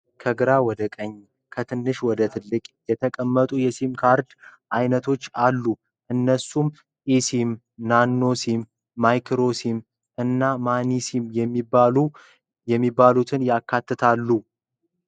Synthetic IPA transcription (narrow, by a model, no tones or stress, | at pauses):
kʰəɡɨɾawɔd̪əkʼəɲː | kʰət̪ʰɨnːɨʃwɔd̪ət̪ʰɨlːɨkʼjɛt̪ʰəkʼəmːət̪ʼujɛsimkʰaɾd̪ʔajnət̪ʰo̞t͡ʃːalːu | ʔɨnːəsːum | ʔisim | nanːo̞simː | ajkʰɾo̞sim | ʔɨnːamanisimjɛmːialu | jɛmːibːalut̪ʰɨnjakʰːat̪ːɨt̪ʰalːu